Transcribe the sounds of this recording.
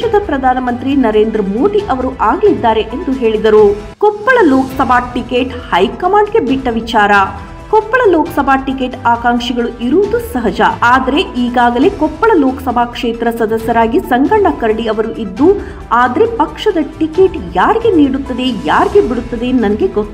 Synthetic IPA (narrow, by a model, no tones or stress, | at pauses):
ɐd̪ɐpɾɐd̪ʱaːnɐmɐnt̪ɾinɐɾe̞ːnd̪ɾɐmoːd̪iʔɐʋɐɾuʔaːɡɐlid̪ːaːɾe̞ʔend̪uɦe̞ːɭid̪ɐɾu | kɔpːɐɭɐloːkɐ̥sɐbʱaːʈikeːʈhɐjkɐmaːɳɖɡe̞biʈːɐʋit͡ʃaːɾɐ | kɔpːɐɭɐloːkɐ̥sɐbʱaːʈike̞ːʈaːkaːŋʂiɡɐɭuʔiɾuːd̪usɐɦɐd͡ʒɐaːd̪ɐɾe̞ʔiːɡaːɡɐle̞kɔpːɐɭɐloːkɐ̥sɐbʱaːkʂeːt̪ɾɐsɐd̪ɐsjɐɾaːɡisɐŋɡɐɳɖɐkɐɾɐɽiɐʋɐɾuʔid̪ːu | aːd̪ɐɾe̞pɐkʂɐd̪ɐʈikeʈjaːɾiɡe̞niːɽut̪ːɐd̪e̞jaːɾiɡebiɽut̪ːɐd̪enɐnɐɡe̞ɡot̪ːu